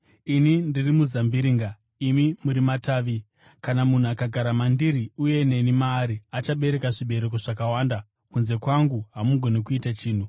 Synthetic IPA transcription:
inindirimuzambiɾiːŋɡa | imimuɾimataːʋi | kanamun̤uakaɡʱaɾamandiɾiuje̞ne̞nimaːɾiat͡ʃaɓe̞ɾe̞kaʐiɓe̞ɾek̬oʐakawaːnda | kunze̞kwaŋɡuɦamuɡʱo̞nekuitat͡ʃiːn̤u

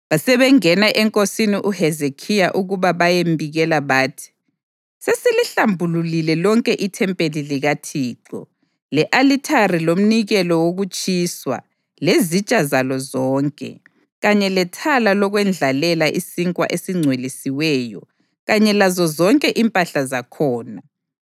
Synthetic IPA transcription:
βasɛβɛŋɛnaʔɛŋkʼosiniʔuhɛzekʰijaʔuɣuβaβajembʱiɣɛlaβaːtʰi̥ | sesiliɬambʱululilɛlɔŋkʼɛʔitʰɛmpʼeliliɣatʰiːǁɔ̰ | lɛʔalitʰarilom̩niɣɛlɔwoɣut͡ʃʼiːswa̰ | lezit͡ʃʼazalɔzɔːŋkʼɛ̰ | ɣaɲɛlɛtʰalalɔɣwɛnd͡ɮʱalɛlaʔisiŋkʼwa̰ʔesiŋ͡ǀʱwelisiwɛːjɔ | ɣaɲɛlazɔzɔŋkʼɛʔimpʼaɬazakʰɔːna

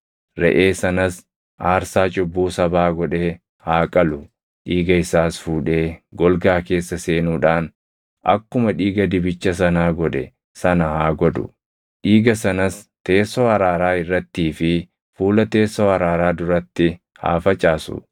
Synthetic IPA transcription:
ɾɛ̰ʔe̞ːsɐnɐs | ʔaːɾsaːt͡ʃʼʊbːuːsɐbaːɡɔᶑeː | haːkʼɐlʊ | ᶑiːɡɐɪsaːsfuːᶑeːɡɔlɡaːke̞ːsːɐse̞ːnuːᶑaːn | ʔɐ̰kːʊmɐᶑiːɡɐd̪ɪbɪt͡ʃːɐsɐnaːɡɔᶑɛ̰ | sɐnɐhaːɡɔd̪ʊ̰ | ᶑiːɡɐsɐnɐst̪e̞ːsːoːɐɾaːɾaːɪrːɐt̪ːiːfɪ | fuːlɐt̪e̞ːsːoːɐɾaːɾaːd̪ʊɾɐt̪ːɪ | ha̰ːfɐt͡ʃʼaːsʊ̰

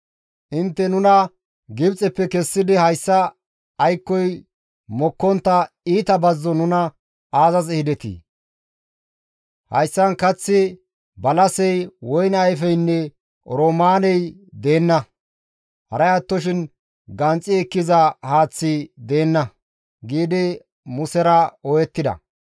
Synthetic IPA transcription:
ʔɪnt̪ːɛnʊnɐ | ɡɪbt͡sʼɛpːɛkɛsːɪd̪ɪhɐjsːɐː | jkːɔj | mɔkːɔnt̪ːɐ | iːt̪ɐbɐzːɔnʊnɐ | aːzɐzɛhɪd̪ɛt̪ḭ | hɐ̰jsːɐnkɐt͡sːɪ | bɐlɐsɛjwɔjnɐjfɛjnːɛ | ɾoːmaːnɛjd̪e̞ːnːɐ | hɐ̰ɾɐjɐt̪ːɔʃɪn | ɡɐnt͡sʼːɪɛkːɪzɐhaːt͡sːɪd̪e̞ːnːɐ | ɡiːd̪ɪ | mʊsɛɾɐɔjɛt̪ːɪd̪ɐ̰

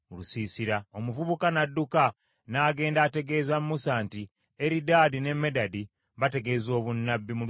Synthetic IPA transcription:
lusisiɾao̞muvuβukanadːuka | naːɡe̞ːndaːte̞ɡe̞ːzammusaːnti | eɾidaːdine̞me̞dadi | βate̞ɡe̞zo̞ːβunːabːimu

